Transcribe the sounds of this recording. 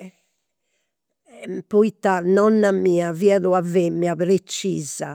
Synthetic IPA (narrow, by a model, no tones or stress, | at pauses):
puit̪ːanɔnːamiːaviaðuavemːiaβɾet͡ʃːiːza̰